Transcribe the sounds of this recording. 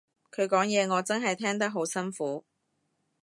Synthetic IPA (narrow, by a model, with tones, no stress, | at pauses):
kʰɵ˨˧ɥkɔː˨˥ŋjɛː˨˧ŋɔː˨˧t͡sɐ˥nɦɐ˨jt̪ʰɛː˥ŋt̪ɐ˥k̚ɦo˨˥wsɐ˥nfuː˨˥